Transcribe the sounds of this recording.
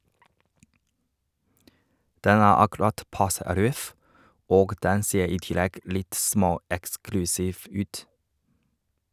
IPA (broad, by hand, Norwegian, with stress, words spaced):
ˈdɛn ˈæː ɑkɛˈɾɑt ˈpɑsə ˈɾœf ˈoːɡ ˈdɛn ˈseːɾ ˈiː ˈtɪlɛɡ ˈlɪt ˈsmoːˌɛksklʉsiːf ˈʉːt